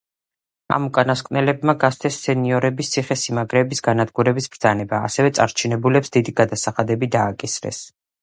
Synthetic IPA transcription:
a̰mukʼanaskʼvnɛlɛbmaɡast̪ʰɛsːɛniɔɾɛbist̪sʰiχɛsimaɡɾɛːbisɡanad̪ɡuɾɛbisb̥ɾd̪zanɛba̰ːsɛvɛt̪sʼaɾt͡ʃʰinɛbulɛpsd̪id̪iɡad̪asaχad̪ɛbid̪aːkʼisɾɛ̰s

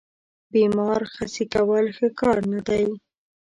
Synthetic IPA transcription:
bimɑɾxasikawəlxəkɑɾnad̪aj

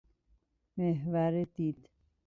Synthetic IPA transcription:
meɦvæɾed̪iːd̪̥

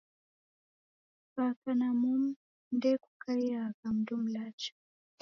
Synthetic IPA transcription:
pakanamum | ndɛkukaiakam̩dum̩lat͡ʃḁ

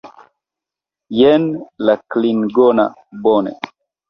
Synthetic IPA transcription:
jɛnlaklinɡɔna̰ | bɔnɛ̰

